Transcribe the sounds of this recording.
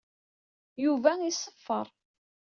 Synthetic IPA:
juvæisˤəfːəɾˤ

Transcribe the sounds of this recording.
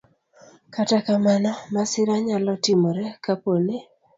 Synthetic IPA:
katakamanamasɪɾaɲalɔtɪmɔɾɛkapone

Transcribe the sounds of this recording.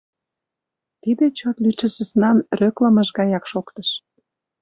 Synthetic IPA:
t̪id̪ĕt͡ɕot̪lyt͡ʃə̆sə̆snɑnrøkləməʃɣɑjɑkʃokt̪əʃ

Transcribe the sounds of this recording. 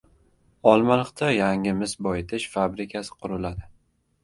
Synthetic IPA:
ɒlˠmalˠɨqt̪ʰajaŋɪmɪsbɒjɪt̪ʰɪʃfabɾɪkʲʰasɪ̥qʰʊɾɪlad̪ɪ

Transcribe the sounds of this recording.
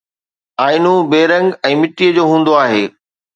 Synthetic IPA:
aːɪnubeːɾə̃ŋɡɛ̃ːmɪʈiəd͡ʑoːɦũːn̆d̪oaːɦeː

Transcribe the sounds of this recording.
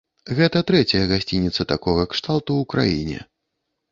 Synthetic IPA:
ɣɛt̪ɐt̪ɾɛt͡sʲɐjɐɣasʲt͡sʲinʲit̪sɐt̪akɔɣɐkʂt̪alˠt̪uːkɾa̰jḭnʲɛ̰

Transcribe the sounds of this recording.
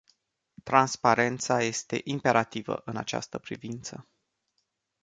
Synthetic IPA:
t̪ɾanspaɾe̞nt̪saje̞st̪e̞̰ʔimpe̞ɾʔat̪ivə̰ʔɨnat͡ʃa̰st̪əpɾḭvint̪sə

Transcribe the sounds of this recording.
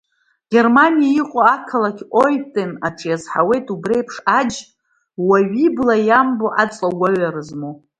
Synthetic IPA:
ɡ̥ʲe̞rmanijaiqʷʼoakʰalakʲojtʼenaʈ͡ʂʰʼjazħawe̞jtʼubre̞jpʰʂad͡ʒ | waɥiblajamboʔat͡sʼlaɡʷaɥaɾɨzmo

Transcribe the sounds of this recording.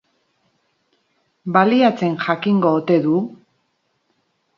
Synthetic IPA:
baliat͡se̞nʝakiŋɡo̞ːt̪e̞ðu

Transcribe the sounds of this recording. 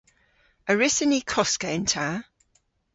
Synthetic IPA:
əɹɪsənikʰɔskəɪ̃ntʰaː

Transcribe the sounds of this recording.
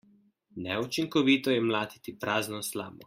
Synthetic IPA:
nɛut͡ʃiŋkɔʋiːt̪ɔjɛmlaːd̪i̥t̪ipɾaːznɔsla̰ːmɔ̰

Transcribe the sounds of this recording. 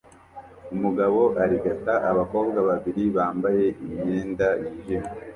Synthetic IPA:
umuɡaβo̞ʔaɾiɡataʔaβako̞ːbɡaβaβiɾiβaːmbaje̞ʔimɲe̞ːndajiʒio

